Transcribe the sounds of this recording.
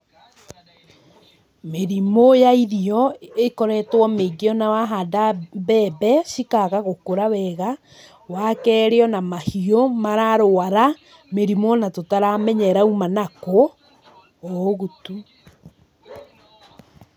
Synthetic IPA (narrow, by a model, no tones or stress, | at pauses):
meɾimojaiðiɔekɔɾɛtwɔmeɡeɔnawaɦadaβɛbɛʃikaɣaɣokoɾawɛɣa | wakɛːɾeɔnamahiomaɾaɾoaɾa | meɾimonatotaɾamɛɲɛɾaumanakoː | ɣutu